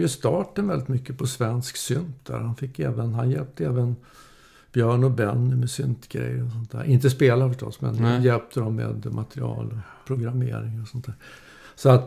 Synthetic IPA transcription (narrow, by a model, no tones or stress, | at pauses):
jɵst̪ɑːʈənvɛld̪ɪt̪mʏkːəpʰɔsvɛnsksʏnt̪̚d̪̥æ̰ːɾhanfɪkːɛːvənɦanjɛlp̚t̪əɛːvən | b̥jœːɳɔbɛnːɪmɛsʏnt̪ɡɾɛ̰jːɾɔs̬ɔnt̪ʰæ̰ːɾʔɪnt̪əspeːlaɾəfœʂʈɔ̰sːmɛ̰njɛlp̚t̪ʰəd̪ɔmːḛːd̪mʔat̪ɾɪɑ̰ːlɔ | pʰɾʊɡɾamḛːɾɪŋɾɔsɔnt̪ʰːæːɾ | sɔat̪